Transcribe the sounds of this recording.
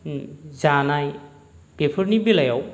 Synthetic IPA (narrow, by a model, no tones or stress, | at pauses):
zanaj | b̥epʰɯɾnibilajaw